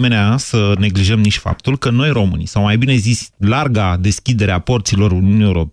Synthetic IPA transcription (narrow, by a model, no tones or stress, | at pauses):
meneasəne̞ɡliʒəmniʃʲfa̰p̚t̪ulkəno̞jro̞mɨ̰nisawmajbine̞zisʲlarɡad̪e̞skʲid̪e̞ɾeaport̪silo̞ɾuniunie̞uɾo̞p